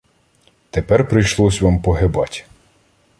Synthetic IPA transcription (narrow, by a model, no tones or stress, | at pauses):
t̪epɛrpɾɪjʃlˠɔsʲʋɑmpɔɦebɑtʲ